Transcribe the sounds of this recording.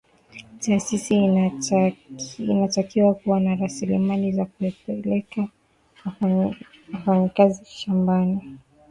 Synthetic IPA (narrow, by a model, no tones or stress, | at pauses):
taːsisi | inatakiwakuwanaɾasilimalizakuɛpɛlɛka | w | wafaɲikaziʃambani